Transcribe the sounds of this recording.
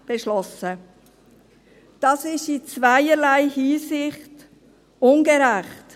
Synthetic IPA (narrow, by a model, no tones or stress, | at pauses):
b̥eʃlɔsə | d̥ɑːsɪʃit͡svæɪəɾlæɪhiːsɪχt | ʊnɡeɾæχt